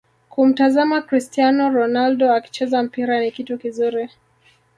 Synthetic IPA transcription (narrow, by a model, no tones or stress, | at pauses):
kum̩tazamakɾistianɔɾɔnaldɔaki̥t͡ʃɛzam̩piɾanikitukizuɾi